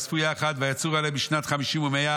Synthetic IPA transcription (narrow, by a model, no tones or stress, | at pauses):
sfujaχad̪vajat͡suʁalebiʃnat̪χamiʃimumea